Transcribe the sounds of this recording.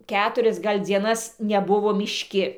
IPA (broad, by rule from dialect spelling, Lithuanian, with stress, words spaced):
ˈkʲæːtʊrʲɛs ˈɡɐlʲ d͡zʲiɛˈnɐs nʲɛˈbʊʋoː mʲɪʃʲˈkʲɪ